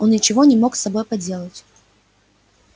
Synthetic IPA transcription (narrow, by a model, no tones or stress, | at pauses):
onnʲɪt͡ɕɪvo̞nʲɪmo̞ksɐbo̞jpɐdʲe̞lˠətʲ